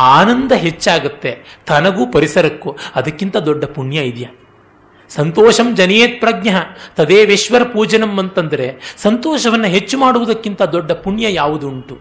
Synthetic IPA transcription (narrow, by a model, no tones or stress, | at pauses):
aːnɐnd̪ɐɦe̞t͡ʃːaːɡut̪ːe̞t̪ʰɐnɐɡuːpɐɾisɐɾɐkːuɐd̪ɐkːint̪ɐd̪ɔɖːɐpuɳjɐid̪jɐ | sɐnt̪ɔːʃɐmd͡ʒɐneːt̪̚pɾɐɡɲɐɦɐt̪ɐd̪eːʋeʃʋɐɾɐpuːd͡ʒɐnɐmːɐnt̪ɐnd̪ɐɾe̞sɐnt̪ɔːʃɐʋɐnːɐɦet͡ʃːumaːɽuʋud̪ɐkːint̪ɐd̪ɔɖːɐpuɳjɐjaːʋud̪uɳʈu